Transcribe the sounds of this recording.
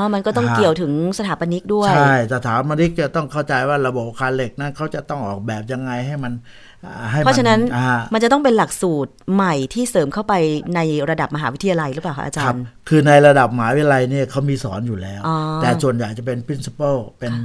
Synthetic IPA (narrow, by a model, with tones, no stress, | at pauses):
ʔɔː˧˩ma˧nkɔ˥˩t̪ɔ˥˩ŋki˨˩əwt̪ʰɯ˩˦ŋsa˧t̪ʰaː˨˦pa˧ni˦˥k̚du˥˩t͡ɕəja˥˩jtɛ˨˩t̪ʰaː˩˦nma˧li˦˥k̚t͡ɕa˨˩t̪ɔ˥˩ŋkʰa˥˩wt͡ɕa˧jwaː˥˩ɾa˧bo˨˩p̚kʰaː˧nle˨˩k̚na˦˥nkʰa˦˥wt͡ɕa˨˩t̪ɔ˥˩ŋʔɔː˨˩k̚bɛː˨˩p̚ja˧ŋːa˧jɦa˥˩jma˧n | ʔa˨ɦa˥˩jʰpʰɾɔ˦˧t͡ɕʰa˧na˦˥na˦˥ma˧nt͡ɕa˨˩t̪ɔ˥˩ŋpe˧nla˨˩k̚suː˨˩t̪̚ma˨˩jt̪ʰiː˥˩sɤː˩˦mkʰa˥˩wpa˧jna˧jɾa˧da˨˩p̚ma˧ɦaː˩˦wt̪ʰja˧la˧jɾɯ˦˥paː˨˩kʰa̰˦˥ʔːt͡ɕaː˧˦˧nkʰɯː˧na˧jɾa˧da˨˩p̚ma˧˩˦wi˦˥a˧la˧jni˥˩ɐkʰa˦˥wmiː˧sɔː˩˦njuː˨˩lɛː˦˥wʔɔː˧t̪ɛː˨˩su˨˩ənjaː˨˩k̚t͡ɕa˨˩pe˧npʰɾi˦˥nsi̥˧˥pɤː˥˩pe˧n